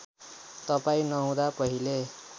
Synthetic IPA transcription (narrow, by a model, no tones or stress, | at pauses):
t̪ʌpaĩnʌɦũd̪apʌɦile